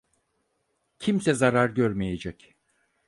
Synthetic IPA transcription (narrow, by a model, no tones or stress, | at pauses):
cʰimsɛzaɾaɾɟøɾmejed͡ʒɛc